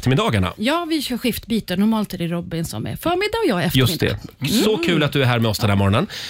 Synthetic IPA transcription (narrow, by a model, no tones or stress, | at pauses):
ft̪əmɪd̪ɑːɡaɳa̰jɑːvɪsɑɧɪft̪biːt̪ənʊɾmɑːlt̪ɛɖɛɾɔbɪnsɔ̰mɛ̰ɾfœːɾmɪd̪ːaɔjɑːɛfjɵsd̪ɛ̰sɔkʰʉ̟ːlat̪̚d̪ɵæɾɦæːɾmɛɔsd̪ɛnæɾmɔɾɔnən